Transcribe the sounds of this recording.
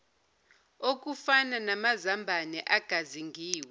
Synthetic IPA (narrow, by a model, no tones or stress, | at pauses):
ok̬ʼufananamazambʱanɛʔaɡ̥ʱaziŋʱiːwɛ